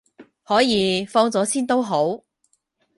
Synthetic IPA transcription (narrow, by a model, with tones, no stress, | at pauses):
hɔː˨˥jiː˨˧fɔː˧ŋt͡sɔː˨˥siː˥nt̪o˥wɦo˨˥w